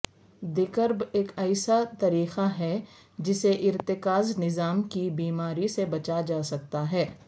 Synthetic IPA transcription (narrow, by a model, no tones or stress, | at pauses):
d̪ɪkəɾbeːkɐːsat̪ɐɾiːxaɦɛ | d͡ʒɪseʔɪɾt̪ɪkaːznɪzaːmkibiːmaːɾisebɐt͡ʃad͡ʒaːsɐk̚t̪aɦɛː